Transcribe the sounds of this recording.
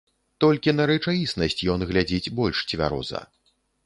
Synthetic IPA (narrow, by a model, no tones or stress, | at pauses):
t̪ɔlʲkʲin̪ɐɾɛt͡ʂajisnɐsʲt͡sʲjɔnɣlʲad͡zʲit͡sʲbɔlʲʂt͡sʲvʲa̰ɾɔ̰zɐ̰